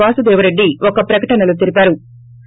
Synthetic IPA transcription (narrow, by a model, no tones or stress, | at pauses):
aːsɐd̪ɛːʋɐɾeɖːiʔɔkɐpɾɐkɐʈɐnɐlut̪̬iɾipaːɾu